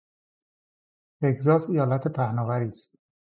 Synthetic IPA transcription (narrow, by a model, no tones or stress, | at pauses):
eɡzɒːsijɒːlæt̪ʰepʰæhnɒːvæɾiːst̪